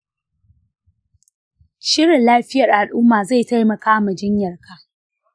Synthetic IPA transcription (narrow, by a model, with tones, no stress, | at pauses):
ʃɪ˦ɽɪ˨nlaː˦ɸɪ˦jɐ˨rʔa˨lʔʊ˦mːaː˨za˦˨jta˦jmɐ˨kaː˦mɐ˨d͡ʒɪ˦ɲjɐ˨rka˨